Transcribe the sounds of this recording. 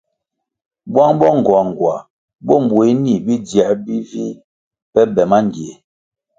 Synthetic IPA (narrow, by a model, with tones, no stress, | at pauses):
bwa˦ŋbɔ˦ŋ˨ɡwa˨ŋ˨ɡwa˨ | bɔ˦m̩˨bwe˨˦ni˨bi˦dja˨bi˦vi˦ | pɛ˦bɛ˨ma˦ŋ˨ɡje˨